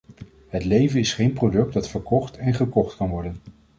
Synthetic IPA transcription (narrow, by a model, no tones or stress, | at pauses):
ɦətlejvənɪsχejnprowdɵk̚dɑtfəɹkɔχtɛnχəkɔχtkɑnʋɔɹdən